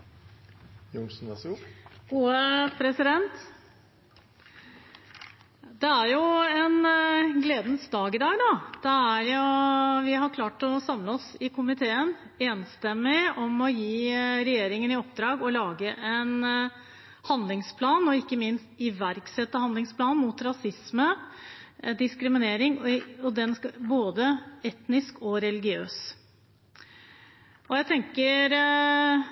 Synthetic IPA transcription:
jʊŋsnɛsɡuːəpʰɾɛsɪd̪ɛntt̪ | d̪ɛæɾjʊɛnɡleːd̪nsd̪ɑːɡɪd̪ɑːɡnoːd̪̥ɛæɾjʊʋɪɦɑɾkʰlɑːʈɔsɑmləɔsɪkʰʊmɪt̪ʰeːən | eːnst̪ɛmːɪɔmɔjiːɾɛjeːɾɪŋənɪɔpːd̪ɾɑːɡɔlɑːɡəʔɛn | hɑnd̪lɪŋspʰlɑːnɔɪkːəmɪnst̪ɪʋæɾksɛt̪ːəhɑnd̪lɪŋspʰlɑːnmuːt̪ɾɑsɪsmə | d̪ɪskɾɪmɪneːɾɪŋɔd̪ɛnsboːd̪əɛt̪nɪskɔɾɛlɪɡɪøːs | ʔɔjæɪt̪ʰɛŋkəɾ

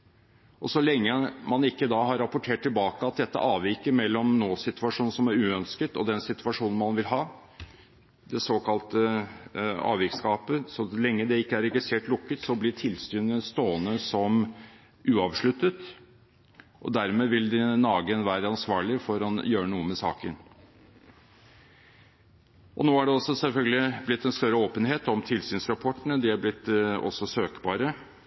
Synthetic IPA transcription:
ʔɔsɔlɛŋːəmɑnɪkːəd̪ɑɦɑɾɑpʊʈʰeːʈ̚ʈ̪ʰːɪlbɑːkəɑt̪̚d̪ɛt̪ːə̰ʔɑːʋʋɪkəmɛlːɔmnoːsɪt̪ʉɑʂuːn̩sɔmæɾʉːœnskət̪ɔ̰d̪ɛnsɪt̪ʉʋɑʂuːnn̩mɑnʋɪlɦɑː | d̪ɛsoːkʰɑlt̪ə | ɑ̰ːʋɪkskɑːpəsɔlɛŋːəd̪ɛɪkːəæɾɛɡɪst̪ɾeːʈlʊkːət̪sɔblɪʈʰɪlst̪yːnənst̪oːənəsɔm | ʔʉːɑʋʂɭʉt̪ːət̪ | ʔɔ̰d̪æɾmeːʋɪld̪ɪnɑːɡənʋæːɾəɑnsʋɑːɭɪfɔɾɑnjøːɾənuːəmɛsɑ̰ːkən | ʔɔ̰noːæɖɛɔsːɔsɛlfœlɡ̪əlɪblɪt̪ːɛnst̪œɾəoːpənɦeːt̪ɔmt̪ʰɪlsyːnsɾɑpʰɔʈːəɳəd̪ɪæblɪt̪ːɔ̰sːɔsøːkbɑːɾə

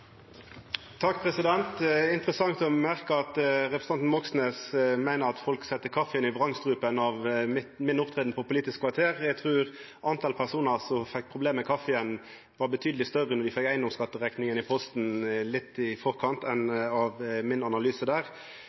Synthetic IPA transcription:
t̪ʰɑk̚ːpʰʁɛsɪd̪ɛnt̪ɪnt̪ʁəsɑŋt̪ɔmæʁkəɑt̪ʁɛpʰɾsɑnn̩mɔksnɛsmæɪnəɾɑt̪fɔlksɛt̪ːəkʰɑfɛənɪʋʁɑŋst̪ʁʉːpənɑʋɪmɪnʊpt̪ʰʁeːd̪n̩pʰɔpʊliːt̪ɪskʰʋɑʁt̪ʰeːʁɛɡt̪ʰʁʉːʁ | ʔɑnt̪ʰɑlpʰæʁsuːnəʁsɔfɛk̚ːpʰʁʊbleːmɛkʰɑfəən | ʋɑʁbət̪ʰyːd̪lɪst̪œʁənɔʁd̪ɪfɛkːæɪnɔmskɑt̪ːəʁɛknɪŋənɪpʰɔst̪n̩lɪt̪ːɪfɔʁkʰɑnt̪ɛnɑʋmɪnɑnɑlyːsəd̪æːʁ

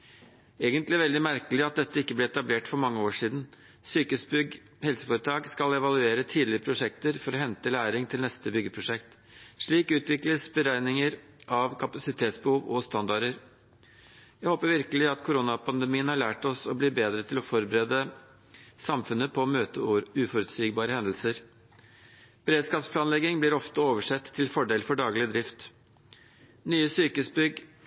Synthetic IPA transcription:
eːɡənt̪lɪæɾʋɛld̪ɪmæɾkəlɪɑt̪̚d̪ɛt̪ːəɪkːəblɪɛt̪ɑbleːʈfɔɾmɑŋːəoːʂiːd̪n | syːkəsbʏɡ | hɛlsəfoːɾət̪ʰɑːɡskɑlɛʋɑlʉeːɾət̪ʰiːd̪lɪəpʰɾʊʂɛkt̪əɾfɔɾɔhɛnt̪əlæːɾɪŋt̪ʰɪlnɛst̪əbʏɡːəpʰɾʊʂɛkt̪ | ʂɭiːkʉːt̪ʋɪkləsbəɾæɪnɪŋəɾ | ʔɑʋkʰɑpɑsɪt̪ʰeːt̪sbəhuːʋɔst̪ɑnd̪ɑɖəɾ | jæɪhoːpəɾʋɪɾkəlɪɑt̪kʰʊɾuːnɑpʰɑnd̪əmiːənhɑɭæːʈɔsɔbliːbeːd̪ɾət̪ʰɪlɔfɔɾbəɾeːd̪ə | sɑmfʉnːəpʰɔːmøːt̪əʉːfɔɾʉt̪syːɡbɑːɾəhɛnd̪əl̩səɾ | b̥əɾeːd̪skɑːpspʰlɑːnlɛɡɪŋblɪɾɔft̪əoːʋəʂɛt̪ʰːɪlfɔɖeːlfɔɖɑːɡlɪəd̪ɾɪft̪ | nyːəsyːkəsbʏɡ

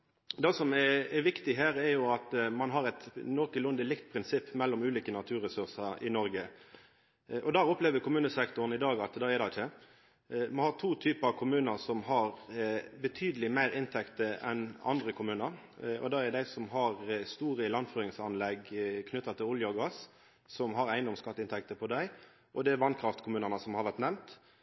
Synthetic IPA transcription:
d̪eːsɔmɛɛʋɪkt̪ɪɦæːɾɛjʊɑt̪mɑnɦɑɾɛt̪nɔkəlʊnd̪əlɪkt̪pʰɾɪnsɪpːmɛlːɔmʉːliːkənɑt̪ʰʉːɾɛsʉʁsəɪnɔɾɡə | ʔɔd̪ɑːʊpleːʋəkʰʊmʉːnəsɛkt̪ʊɾn̩ɪd̪ɑːɡɑt̪d̪ɑːɛd̪ɛɪçə | mɑnhɑt̪ʰuːt̪ʰyːpɑkʰʊmʉːnəɾsɔmɦɑʁbət̪ʰyːd̪əlɪmæɪɾɪnt̪ʰɛkt̪əʔɛ̰nɑ̰nd̪ʁəkʰʊmʉːnəɾɔ̰d̪ɑːæɾd̪æɪsɔmɦɑʁst̪uːɾəlɑnføːɾɪŋsɑnlɛɡkʰnʏt̪ːɑt̪ʰɪlʊljəɔɡɑːs | sɔmɦɑɾæɪnd̪ɔmskɑt̪ːəɪnt̪ʰɛk̚t̪əpʰɔd̪æɪ | ʔɔd̪ɛæʋɑnkʰɾɑft̪kʰʊmʉːnəʁnəsɔmhɑɾʋæɾt̪nɛmt̪

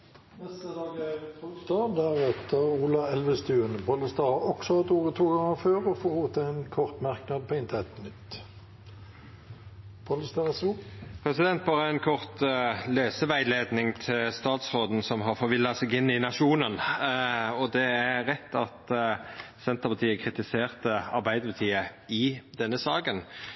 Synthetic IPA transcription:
nɛst̪əd̪ɑːɡæpʰɔlst̪ɑːd̪æɾɛt̪ʰəʁuːlɑɛlʋəst̪ʉːənpʰɔləst̪ɑːhɑɾɔksɔhɑt̪uːʁət̪ʰuːɡɑŋːəføːʁɔfɔoːt̪ʰɑænkʰɔʁt̪mɑʁknɑd̪̚pʰɔɪnt̪əɛt̪nʏt̪ː | pʰɔləst̪ɑʁsupʰʁɛsɪd̪ɛnt̪̚bɑːʁəænkʰɔʁt̪løːsəʋæɪleːd̪nɪŋt̪ʰɪlst̪ɑːt̪sʁoːd̪n̩sɔmɦɑfɔɾʋɪlːɑsɛɡɪnːɪnɑʃuːnən | ɔd̪ɛæʁɛt̪ːɑt̪ | sɛnt̪əʁpɑt̪ʰiːəkʰʁɪt̪ɪseːʁt̪əɑɾbæɪd̪əpət̪ʰiːəɪd̪ɛnːəsɑːɡən

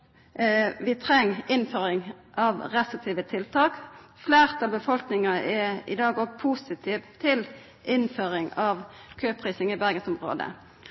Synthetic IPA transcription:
ʋɪt̪ʰʁɛŋːɪnføːʁɪŋ | ʔɑʋʁɛst̪ʁɪt̪ʰiːʋət̪ʰɪlt̪ʰɑːk | fleːʁt̪ʰɑlbəfɔlknɪŋɑɛɪ̰d̪ɑːɡɔɡpʰusɪt̪ʰiːʋt̪ʰɪl | ʔɪnføːʁɪŋɑʋkʰøːpʰʁiːsɪŋɪbæʁɡənsʊmʁo̰ːd̪ə̰

